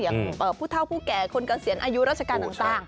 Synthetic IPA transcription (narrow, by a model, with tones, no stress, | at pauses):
i˨˩˦əŋʔɤː˨˩pʰuː˥˩t̪ʰa˥˩wpʰuː˥˩kɛː˨˩kʰo˧nkaː˧˩ŋsi˨˩˦ənʔaː˧ju˦˥ɾaː˥˩t̪̚t͡ɕʰa˧kaː˧nt̪a˨ŋt̪aː˨˩ŋ